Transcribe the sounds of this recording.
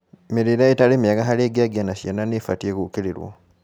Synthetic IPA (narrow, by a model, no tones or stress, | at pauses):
miɾiɾaetalimiaɡaɦaleɡaɡanasenanefa̰tiekukililwo̰